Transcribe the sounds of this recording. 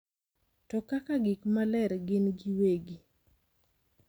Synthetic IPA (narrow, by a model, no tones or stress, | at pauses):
tɔkakaɡɪkmalɛɾɡɪnɡiweɡi